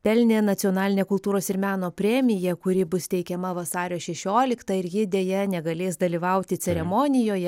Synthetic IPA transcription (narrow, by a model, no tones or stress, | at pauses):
pʲɛlʲnʲeːnɐt̪ʲioːnɑːlʲɪnʲeːkʊlˠt̪uːɾoːsɪɾmʲæːnoːpʲɾʲɛmʲɪjɛkʊɾʲɪbʊst̪ʲɛɪkʲɛmɐʋɐsɑːɾʲoːʃʲɛʃʲoːlʲɪkt̪ɐɪɾjɪd̪ʲeːjɛnʲɛɡɐlʲeːsd̪ɐlʲiːʋɐʊt̪ʲɪt͡s̪ʲɛɾʲɛmoːnʲɪjoːjɛ